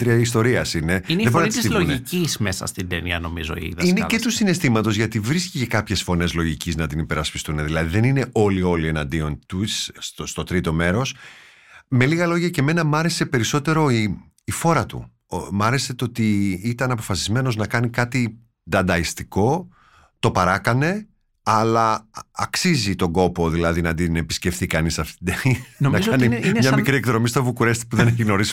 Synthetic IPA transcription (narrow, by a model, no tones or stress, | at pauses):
t̪ɾiis̬t̪o̞ɾiɐsine̞inðeboɾnɐst̪siloʝicizmesɐ̰st̪ind̪ḛniɐno̞̰mizo̰ḭðinecet̪usine̞st̪imɐt̪o̞zʝɐt̪ivɾiscice̞kɐpçe̞sfo̞ne̞zlo̞ʝiciznɐt̪inipe̞ɾɐspi̥st̪uneðilɐðiðe̞nine̞ʔo̞lio̞lie̞nɐnd̪io̞nt̪ust̪ost̪o̞t̪ɾit̪o̞me̞ɾo̞s | me̞liɣɐlo̞ʝɐceme̞nɐmɐɾe̞se̞pe̞ɾiso̞t̪e̞ɾo̞iː | fo̞ɾɐt̪ṵ | mɐɾe̞se̞t̪oot̪iit̪ɐnɐpo̞fɐsizme̞no̞znɐkɐnikɐt̪i | d̪ɐnd̪ɐist̪iko̞ | t̪o̞pɐɾɐkɐne̞ | ɐlɐːksizit̪o̞ɡo̞po̞ðilɐðinɐd̪inepi̥sce̞fθikɐnisɐft̪d̪einnɐkɐnimɲɐmikɾiekðɾo̞mist̪ovukuɾe̞st̪i̥puðe̞neçiɣno̞ɾis